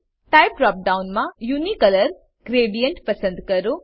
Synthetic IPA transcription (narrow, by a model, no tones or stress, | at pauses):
ʈajpɾɔːp̚ɖawnmãjunikɐləɾ | ɡ̥ɾeːɖijəɳʈpɐsə̃nd̪kɐɾu